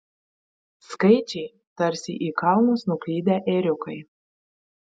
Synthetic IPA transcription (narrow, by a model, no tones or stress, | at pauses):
skɐɪt͡ʃʲɛɪ | t̪ɐɾʲsʲḭʔiːkɑˑʊnosnʊklʲiːd̪ʲæʔɛːɾʲʊkɐɪ